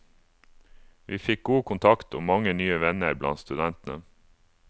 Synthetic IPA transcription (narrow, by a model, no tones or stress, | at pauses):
ʋʔiːfɪk̚ɡuːkʰʊnt̪ʰɑkt̪o̰ːmɑŋənyːəʋɛnəɾblɑ̰nt̪st̪ʉd̪ɛnt̪n̩ə̰